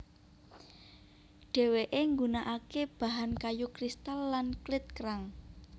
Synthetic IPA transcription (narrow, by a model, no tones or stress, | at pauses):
ɖ̥e̤weʔeŋɡunaʔakeb̥a̤ɦankajukɾist̪alːanklɪt̪̚kəɾaŋ